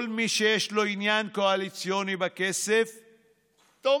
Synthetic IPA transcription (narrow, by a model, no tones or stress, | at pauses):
lmiʃejeʃlo̞injanko̞alit͡sjo̞nibakesef | t̪o